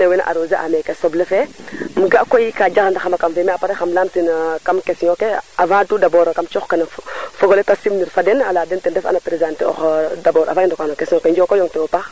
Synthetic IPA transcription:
newɛna̰ʔa̰ɾoːzeʔa̰mɛkɛsɔblɛfɛmuɡaʔkojikad͡ʒaxndaxamakamfɛmɛapaɾexamlamtinkamkesiɲokeavãtudabɔɾkamt͡ʃɔxkanfɔɡɔletasimniɾfadɛnalaːdɛntɛndɛfa̰napɾezãːnteɔ̰xdabɔːɾa̰vãindokanokesiɲokɛɲd͡ʒɔkojɔŋtɛwopax

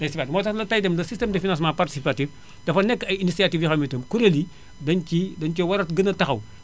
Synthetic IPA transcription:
dɐjsipatmɔːtɐxlɐtɐjdɛmlɐsistɛmdɐfinãns̬mãparti̥sipatif | d̥ɐfɐnɛkːɐjinisiatifjixɐmitəmkuɾeli | dɐncidɐnkiwɐɾɐtɡɐnɐtɐxɐw

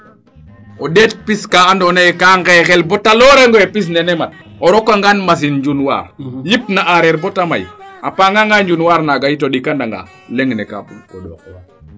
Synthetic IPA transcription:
odet̚piskaandonajekaŋɡexelbɔtaloɾeŋɡoepis̬nenɛmat̚ | oɾokaŋɡanmas̬inɲd͡ʒunwa̰ːɾjipnaʔaɾeɾbotama̰japaŋɡaŋɡaɲd͡ʒunwaɾnaɡajitodikandaŋɡa̰ | leŋneka̰bukod

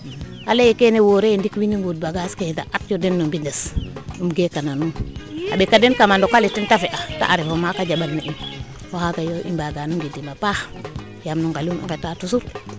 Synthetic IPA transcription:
alejikenewoɾendikwiniŋɡud̚baɡasketaʔatjodenːombindesumɡekananunabekadenkamandokalitintafeʔata̰ʔaɾifomakaɟaɓanːaʔin | wohaɡajoʔḭmbaɡanuŋɡidimapah | jamnuŋkalumḭketatusul

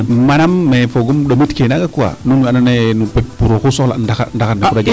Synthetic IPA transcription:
manamːefoɡumɗomitkenaɡakuwa̰nunmananenupep̚puɾokusola̰ndaka̰ndakandakuɾad͡ʒa

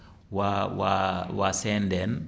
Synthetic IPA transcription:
wawawasɛndɛn

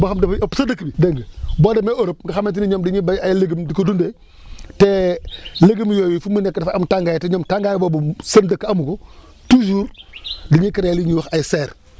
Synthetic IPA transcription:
baxamdɐfpsɐdəkːbideŋɡəboːdɛmeoɾop̚ŋɡaxamet̬iniɲoːmdiɲibaajleɡimdikodunde | te | leɡimjoːjifumənɛkːdfamtaŋɡaːjteɲɔːmtaŋɡajbobusɐndəkːamuko | tuːd͡ʒuːɾdiɲikiɾeliɲuwxajseɾ

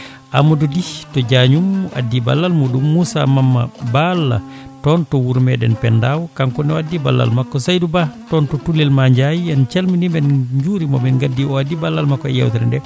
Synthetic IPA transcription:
ʔa̰mɔduditɔd͡ʒaɲumːʔa̰dːiba̰lːalmuɗumːusa̰mamːa̰balːa̰ | tɔntɔwuɾmɛɗɛ̰npɛndawkaŋkɔniwadːiba̰lːa̰lmakːɔsajdubatɔntɔtulːilmaɲd͡ʒajiant͡ʃalminimbɛnɲd͡ʒuɾimɔmbɛnɡadːiɔadːibalːalmakːɔɛja̰wt̪aɾa̰ndɛ

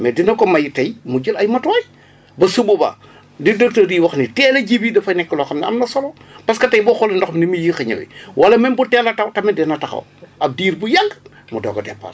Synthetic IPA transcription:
mɛdinɐkɔmɐjitɐjmuɟilɐjmɐtɔj | bɐsububa̰ | didək̚tɐdiwɐxnitɛːlɐɟibidɐfɐnɛkːəloxɐmniɐ̰mnɐsolopɐskɐtɐjbɔxɔlɐndɔxminimijixɐɲɐ̰wḭwɐlɐmɛnbutɛlɐtɐwtɐmidɛnɐtɐxɐ̰wɐb̚diːɾbujɐŋɡ | mudɔ̰ːɡɐdɛ̰pːa̰r

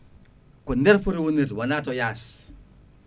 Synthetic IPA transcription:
kundɛɾfuɾiwunitwanatɔjas

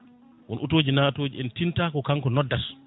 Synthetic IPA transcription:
wɔ̰nʔutoːd͡ʒinaːtoːd͡ʒiɛntintaːkɔkaŋkɔnɔdːas

